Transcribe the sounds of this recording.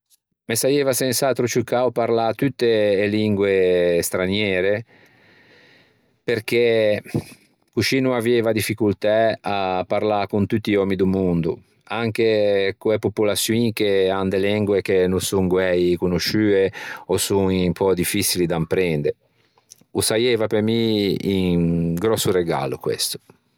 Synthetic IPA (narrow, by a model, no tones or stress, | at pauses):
mesajɛːvasɛnsat̪ɾot͡ʃukawpaɾlat̪ut̪ːeeliŋɡwest̪ɾanjɛːɾe | peɾk̟e | kut͡ʃiːnuavɛːvad̪ifːikult̪ɛapːaɾlakunt̪ut̪ːiɔːmid̪umund̪ṵ | aŋkekuepopulasːjuikeand̪elɛŋɡwekenusuŋɡwɛjkunuʃyːeɔsuŋimpʰɔd̪ifːisilid̪ampɾɛnd̪eɾ | usajɛːvapemiːŋɡɾɔsːuɾeɡa̰ːlṵkwḛst̪u̥